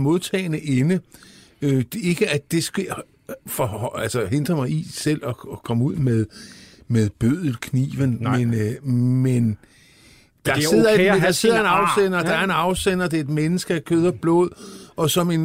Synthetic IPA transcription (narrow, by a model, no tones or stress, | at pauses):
mo̝ðˠt͡sʰɛ̰ːnəʔenə | øe̝ɡ̥əæd̥e̝sɡ̥e | fɒælsɐɦend̥ʁɐmɑ̈ɪisel̰ɒ̽ɒkʰɒ̽muð̞̰ˠmeðˠmeðˠb̥øð̰ˠl̩ˠkʰnḭːʋənmenmen | d̥ɑ̈e̝ð̰ˠɐe̥d̥ɑ̈se̝ð̰ˠɐenɑ̈ʊsen̰ɐːd̥ɑ̈æɐe̝nɑ̈ʊsen̰ɐd̥e̝ed̥menəsɡ̥əækʰøð̞ˠɐb̥lɔ̰ːð̞̰ˠɒ̽sɒ̽me̝n